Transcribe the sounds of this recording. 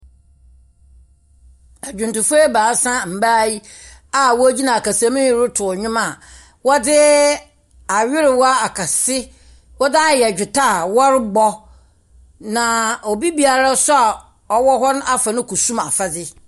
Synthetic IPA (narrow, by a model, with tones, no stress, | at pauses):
a˨d͡ʑᶣʊ̃˨ntʊ̃˨fe˦baː˨˦sã˦m̩˨baː˦ji˦ | a˨wɔ˦d͡ʑi˦nã˨a˨ka˨sa˦mĩ˦ɪ˦ɾʊ˦tʰʊ˨ɲᶣʊ̃˦ma˨ | wɔ˦dɪ˦ | a˨ɥɪ˦ɾɪ˨wa˦a˨kʰa˨sɪ˦ | wɔ˦da˦˨jɛ˨d͡ʑᶣʊ˨tʰa˦˨wɔ˦ɾɪ˦ɡ͡bɔ˦ | nã˨o˨bi˦bi˨a˨ɾa˦sʊ˦a˨ | ɔ˦wɔ˦ɦɔ˦na˦fa˨nʊ̃˦kʰu˨sũ˦ma̰˨fa˦dɪ˦